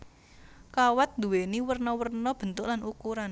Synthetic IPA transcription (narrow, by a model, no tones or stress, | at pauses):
kawat̪̚nd̪ṳweniwərnɔwərnɔb̥ə̤nt̪ʊʔlanʔukuɾan